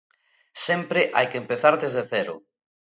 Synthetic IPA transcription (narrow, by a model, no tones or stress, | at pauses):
sɛmpɾɪʔa̰jkempeθaɾðezðeθɛɾʊ̰